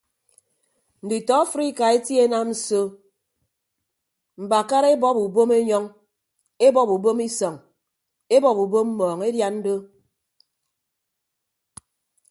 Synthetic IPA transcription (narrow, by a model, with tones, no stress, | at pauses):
n̩˨di˨tɔ˨˦a˦fɾi˦ka˨e˦tji˦e˦na˦mn̩˨so˦ | m̩˨ba˨ka˦ɾe˦bɔ˦pu˨bo˦me˦ɲɔ˦ŋ | e˦bɔ˦pu˨bo˦mi˦sɔ˨ŋ | e˦bɔ˨pu˨bo˦mm̩˦mɔː˨ŋe˦dja˦n̩˦do˦